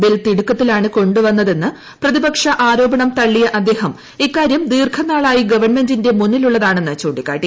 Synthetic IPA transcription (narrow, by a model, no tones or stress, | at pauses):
bilt̪iɽukːɐt̪ːilaːɳɨko̞ɳɖuʋɐnːɐðe̞nːɨ | prɐðibɐkʂɐʔaːɾo̞ːbɐɳɐmt̪ɐɭːijɐʔɐd̪ːe̞ːhɐm | ikːaːɾjɐmd̪iːrkʰɐnːaːɭaːjiɡɐʋɐrme̞ndinde̞munːiluɭːɐðaːɳenːɐt͡ɕoːɖikːa̰ːʈːi